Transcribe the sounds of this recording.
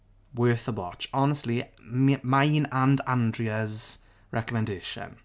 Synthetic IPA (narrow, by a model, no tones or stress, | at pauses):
wɜːˑθəwɔt͡ʃɒnəstˡlimaɪnãndãndɹiəz | ɹʔɛkəmɛ̃ndeːʃə̰̃n